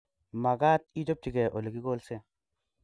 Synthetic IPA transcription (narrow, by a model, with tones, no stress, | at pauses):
ma˨ɡa˦t̪̚i˦to˦p̚ti˨ɡe˨ʔo˨li˨ɡi˦ɡo˦lse˦